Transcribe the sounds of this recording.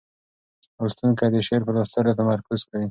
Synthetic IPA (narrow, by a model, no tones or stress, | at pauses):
ost̪unkad̪əʃeɾpəɾwast̪alat̪amaɾkʊzkawi